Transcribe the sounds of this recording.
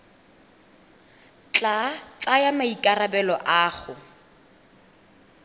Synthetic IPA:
t͡ɬʼat͡ɬʼajamaikʼarabɛlɔʔaːχʊ

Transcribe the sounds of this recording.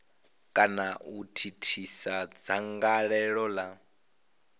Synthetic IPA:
kʼanautʰitʰisad͡zaŋɡaɺɛɺɔla

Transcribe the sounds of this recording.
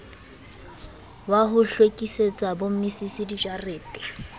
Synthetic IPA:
waɦʊɬwekʼiset͡sʼabom̩misisɪdid͡ʒareːtʼɪ̥

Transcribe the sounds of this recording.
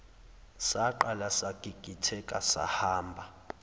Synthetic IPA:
saǃalasaɡ̥ʱiɡ̥ʱitʰɛkʼasa̰haːmbʱa

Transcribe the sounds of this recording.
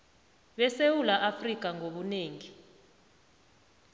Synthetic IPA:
ɓɛsewulaʔafrik̬ʼaŋoɓuneːŋi

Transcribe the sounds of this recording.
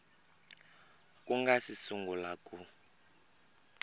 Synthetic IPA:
kʼuŋɡasisuŋɡulakʼu

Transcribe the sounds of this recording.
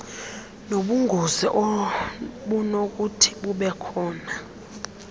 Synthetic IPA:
noɓuŋɡʱoziʔɔ | ɓunok̬ʼutʰi̥ɓuɓɛkʰɔːna

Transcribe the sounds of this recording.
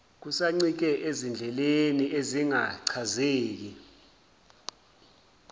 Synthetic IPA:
k̬usaŋ͡ǀik̬ɛʔezind͡ɮʱɛlenieziŋaǀʰazeːk̬i

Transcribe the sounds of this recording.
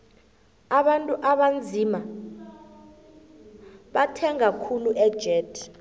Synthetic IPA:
aɓantʼuʔaɓand͡zʱima | ɓatʰɛŋakʰuluʔɛd̥ʒ̥ʱɛːdʰ

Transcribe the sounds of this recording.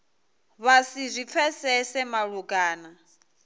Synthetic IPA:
βasizʷip̪fʰɛsɛsɛmaɺuɡaːna

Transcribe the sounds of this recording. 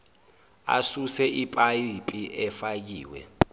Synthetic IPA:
a̰susɛʔipʼaipʼiɛfak̬ḭːwɛ̰

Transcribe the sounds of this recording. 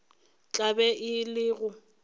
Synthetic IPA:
t͡ɬʼabɛʔɪlɪɣʊ

